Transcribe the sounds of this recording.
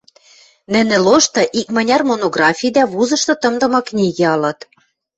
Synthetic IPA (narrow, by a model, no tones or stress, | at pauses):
nɘ̆nɘ̆loʃt̪ɤ̆ʔikmɑ̆nʲɑrmonoɣrɑfʲijd̪æβuzɤ̆ʃt̪ɤ̆t̪ɤ̆md̪ɤ̆mɑknʲiɣeɑlɤ̆t̪